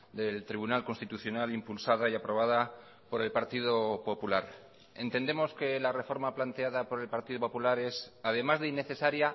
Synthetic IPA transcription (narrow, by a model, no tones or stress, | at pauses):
d̪e̞lt̪ɾiβunalko̞nst̪it̪uθjo̞nalimpulsaðaiapɾo̞β̞aða | po̞ɾe̞lpaɾt̪ið̞o̞po̞pulaɾ | e̞̰nt̪e̞nd̪e̞mo̞ske̞lare̞fo̞ɾmaplant̪e̞aðapo̞ɾe̞lpaɾt̪iðopo̞pulaɾe̞sað̞e̞mazðeinːe̞θe̞saɾja